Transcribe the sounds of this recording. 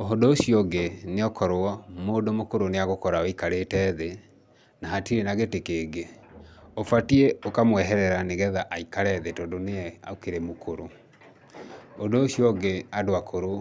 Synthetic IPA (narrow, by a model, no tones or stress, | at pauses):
oɦodosiɔɡeneɔkɔɾoɔmoːdomokoɾoneaɣokɔɾaoikaɾetɛːðe | naɦatiɾenaɣetekeːɡe | ofatieokamwɛɦɛɾɛɾaneɣɛðaʔaikaɾɛðetɔːdoneɛa̰okeɾemokʰoɾo | odoːsiɔɡeadoakʰoɾo